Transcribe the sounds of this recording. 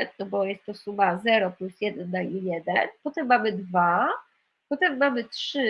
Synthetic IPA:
nɔbɔjɛst̪ːɔsumazɛɾɔplusjɛd̪ɛnːaijɛd̪ɛnpɔt̪ɛmːamɘd̪va | pɔt̪ɛmːamɘtʂɘ

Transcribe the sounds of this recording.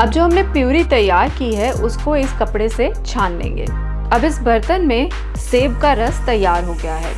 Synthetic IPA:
ɐb̚d͡ʒoːɦɐmnepjuːɾit̪ɐjːaːɾkiɦɛʔʊskoɪskɐpɽese | t͡ʃʰaːnlḛ̃ːŋɡḛː | ɐbɪsbɐɾt̪ənmẽ | seːb̚kaɾɐst̪ɐjːaːɾɦoɡɐjaɦɛ̰ː

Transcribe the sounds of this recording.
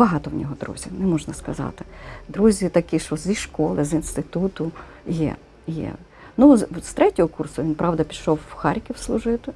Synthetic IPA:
bɐɦɑt̪ɔwnʲɔɦɔd̪ɾṵzʲinɛmɔʒnɐskɐzɑ̰t̪ɪ̥d̪ɾuzʲit̪ɐkʲiʃt͡ʃɔzʲiʃkɔlˠɪzinst̪ɪt̪ut̪ʊ | jɛ̰ | jɛ̰ | nust̪ɾɛtʲɔɦɔkursʊʋʲinpɾɑwd̪ɐpʲiʃɔwxɑɾʲkʲiwslˠʊʒɪt̪ɪ

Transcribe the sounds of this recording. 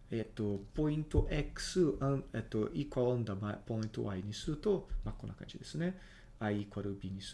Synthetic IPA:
et̪ːopo̞ĩnt̪oʔeksɨaet̪ːoʔikwaõnd̪amapo̞ĩnt̪o̰ʔaiɲ̟isɨɾɯ̟t̪o̞makõnːokã̰nd͡ʒid̪e̞sɨne | aikwaɾɯbiɲis

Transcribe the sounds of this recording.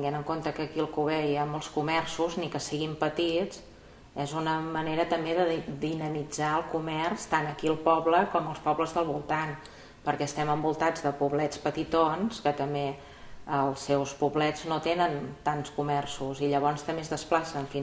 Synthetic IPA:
t̪iŋɡenəŋkont̪əkəkiəlˠkuβɛjamolˠskumɛrsuznikəsiɣimpət̪id͡z | ɛzunəməneɾət̪əmbeðəd̪inəmid͡zaəlˠkumɛrst̪anəkiəlˠpɔβləkɔməlˠspɔβləzðəlˠβulˠt̪an | pəɾkɛəst̪ɛməmbulˠt̪ad͡zðəpuβlɛt͡spət̪it̪onskət̪əmbe | əlˠsːɛwspuβlɛd͡znot̪enənt̪anskumɛrsuziʎəβ̞ɔnst̪əmbezðəsplasənəfin

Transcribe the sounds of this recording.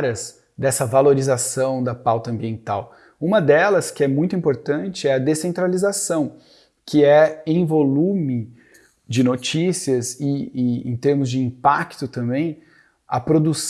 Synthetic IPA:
ɾɐs | d̪ɛsɐvaloɾizasɐ̃w̃d̪ɐpawt̪ɐɐ̃mbiẽnt̪aw | ũmɐd̪ɛlɐskɪɛmũj̃t̪ʊĩpoɾt̪ɐ̃nt͡ʃɪɛɐd̪esẽnt̪ɾalizasɐ̃w̃ | kʰɪɛẽj̃volũmɪ | d͡ʒɪnot͡ʃisiɐzɪ̃ḛ̃t̪eɾmʊzd͡ʒɪĩpakt̪ʊt̪ɐ̃mbẽj̃ | ɐ̰pɾod̪us

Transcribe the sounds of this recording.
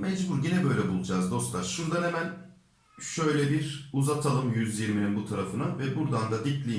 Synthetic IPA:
mɛd͡ʒbuɾɟinɛbø̞jlʲɛbulˠud͡ʒaːzd̪o̞st̪lˠaʃʃuɾd̪anemæn | ʃø̞jlʲɛbiɾuzat̪ʰalˠɯmjyzjiɾmininbut̪ʰaɾafɯnavɛbuɾd̪and̪ad̪iclʲi

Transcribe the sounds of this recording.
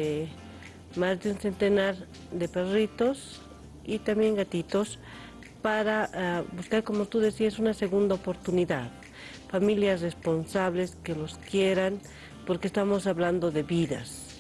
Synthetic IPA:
e | mazd̪eunse̞nt̪e̞naɾ | d̪e̞perit̪o̞s | it̪ambjeŋɡat̪it̪o̞s | paɾaabuskaɾko̞mot̪uðesiasunase̞ɣund̪aopo̞ɾt̪uniðað | familjasre̞spo̞nsaβle̞ske̞lo̞skje̞ɾan | po̞ɾkest̪amo̞saβland̪o̞ðeβiða̰s

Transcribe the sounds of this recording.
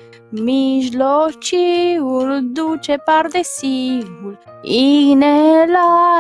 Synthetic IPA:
miʒlot͡ʃiuld̪ut͡ʃepaɾd̪esiɡul | inela

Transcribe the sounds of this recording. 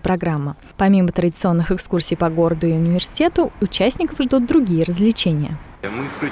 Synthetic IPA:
pɾɐɡɾamːə | pɐmʲimət̪ɾədʲɪt̪sɨo̞nːɨxɨkskursʲɪjpɐɡo̞ɾəd̪ʊɪʊnʲɪvʲɪrsʲɪ̥tʲet̪ʊʊt͡ɕæsʲnʲɪkəfʐd̪ut̪̚d̪ɾʊɡʲijəɾəzlʲɪt͡ɕenʲɪjə̰

